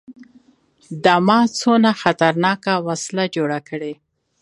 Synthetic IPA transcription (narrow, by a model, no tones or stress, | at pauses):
d̪əmɑt͡sonaxat̪aɾnɑkawaslad͡ʒoɽakəɽe